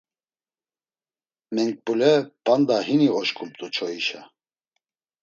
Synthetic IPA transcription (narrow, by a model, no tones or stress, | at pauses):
mɛŋk̚pʼulɛpʼand̪aɦiniɔʃkʰʼumt̪ʼut͡ʃʰɔiʃa